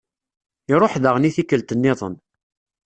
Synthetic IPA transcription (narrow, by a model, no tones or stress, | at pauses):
ɪɾˤoħðəʁniθikːəlt̪ənːɪðˤə̰n